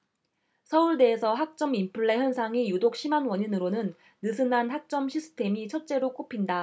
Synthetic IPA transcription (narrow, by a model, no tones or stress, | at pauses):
sʰʌuɭde̞ːsʰʌɦak̚t͡ɕ͈ʌmimpʰɯɭːe̞ɦjʌnsʰaŋijudok̚ɕ͈ʰimanwʌɲinɯɾonɯnː | ɯsʰɯnanɦak̚t͡ɕ͈ʌmɕʰisʰɯ̥tʰe̞mit͡ɕʰʌt̚t͡ɕ͈e̞ɾok͈opʰinda